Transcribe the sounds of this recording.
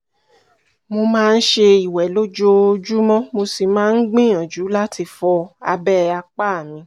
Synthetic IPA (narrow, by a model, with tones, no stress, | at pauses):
mo˧mãː˦˧n̩˦ʃe˧i˨wɛ˨lo˦d͡ʒo˧o˧d͡ʒu˦mɔ̃˦mo˧si˨mãː˦n̩˦ɡ͡bĩ˦˨ɔ̃˨d͡ʒu˨˦la˦ti˧fɔ˧a˧bɛ˦a˧k͡pa˦a˨mĩ˧˦